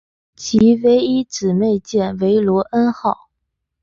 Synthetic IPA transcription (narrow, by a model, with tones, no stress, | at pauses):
t͡ɕʰi˧˥we˧˥ɪi˥ʈ͡ʂɻ̩˨˩me˥˧ɪt͡ɕjɛ˥˩nwe˧˥ɪlwɔ˧˥ʔə˥nxɑ˥˩ʊ